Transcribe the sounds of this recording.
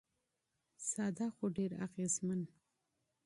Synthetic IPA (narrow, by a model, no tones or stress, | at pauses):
sɑd̪ɑxoɖeɾa̰ɣezman